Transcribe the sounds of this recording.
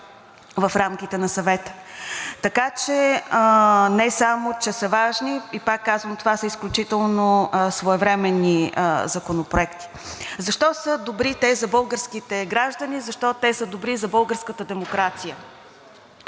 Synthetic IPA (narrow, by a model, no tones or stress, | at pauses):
vɐfɾamk̟ʲit̪ɛnɐsɐvɛt̪ə̥t̪ɐkat͡ʃɛənɛsamot͡ʃɛsəvaʒniipakːazvəmt̪ovasəisklʲut͡ʃit̪ɛlˠnosvoɛvɾɛmɛnːizɐkonopɾʊɛkt̪i̥zɐʃt̪ɔsəd̪obɾit̪ɛzɐbɤlˠɡəɾskit̪ɛɡɾaʒd̪ənizɐʃt̪ɔt̪ɛsəd̪obɾizɐbɤlˠɡəɾskət̪əd̪ɛmokɾat̪sijə